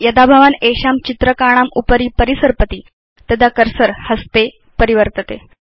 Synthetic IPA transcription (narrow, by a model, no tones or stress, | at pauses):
jəd̪abʱaʋaneɕamt͡ɕit̪ɾəkaɽ̃amupɾiːpəɾisəɾpət̪iː | t̪əd̪akəɾsəɾhəst̪e | pəɾiʋəɾt̪ət̪ḛ